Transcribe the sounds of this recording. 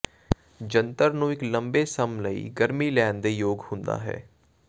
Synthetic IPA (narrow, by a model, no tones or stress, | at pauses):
d͡ʒə̃nt̪əɾnũɪklɐ̃mbesɐmləḭɡəɾmilɛːnd̪ejoːɡhʊ̃nd̪a̰ɦɛ̰ː